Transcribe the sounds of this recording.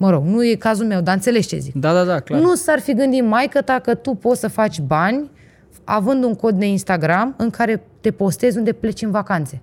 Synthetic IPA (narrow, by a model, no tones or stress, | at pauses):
məɾo̞ɡnuje̞kazulme̞wd̪aɨnt̪sele̞ʃt͡ʃe̞̰zḭkd̪ad̪ad̪aklanusarfiɡɨnd̪it̪majkət̪akət̪upo̞t̪səfat͡ʃʲbanʲ | a̰vɨnd̪uŋko̞t̪̚d̪e̞inst̪aɡɾamɨŋkʰaɾe̞t̪e̞po̞st̪e̞zʲund̪e̞ple̞t͡ʃɨnvakant̪se̞